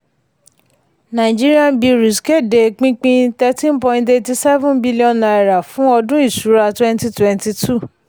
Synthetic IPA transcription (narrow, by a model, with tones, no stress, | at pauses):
nã˨i˨d͡ʒi˦ɾi˦a˧˦bi˧ɾi˨ske˦˨de˨k͡pĩ˦k͡pĩ˧tɛ˦tĩ˦n˦pɔ̃˧ĩ˧nte˧ti˧sɛ˦vũ˦nbi˦li˦ɔ̃˧nːa˨ɛ˨ɾa˨fũ˨˦ɔ˧dũ˦i˦˨su˨˦ɾa˧twɛ̃˦nti˧twɛ̃˧nti˧tʰu˦˨